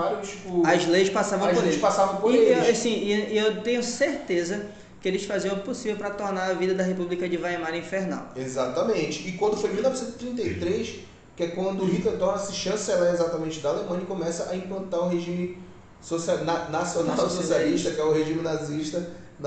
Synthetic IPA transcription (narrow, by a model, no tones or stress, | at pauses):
vaɾt͡ʃipʊɐzlejʃpasavɐ̃weʃpasavɐ̃w̃poɾesĩiiewt̪ẽɲʊseɾt̪ezɐ | kɪelɪsfaziɐ̃posivewpɾɐt̪ɔɾnaɾɐvid̪ɐd̪ɐɦepublikɐd͡ʒɪvajmaɾĩfeɾna̰wezat̪ɐmẽt͡ʃɪ̥ːkwɐ̃nd̪ʊfojmiulnɔvisẽt̪z̥ɪ̥t̪ɾĩnejt̪ɾejʃ | kɪɛkwɐ̃nd̪ʊɦit̪eɾd̪õnɐsɪʃɐ̃sɛlɛezat̪ɐmẽnt͡ʃɪd̪ɐalemɐ̃ɲɐkõmɛsɐʔaĩplɐ̃nt̪aɾũɦeʒĩmɪ̃ | sosiananasionawsosialiʃt̪ɐkɪɛʊɦeʒĩmɪnaziʃt̪ɐ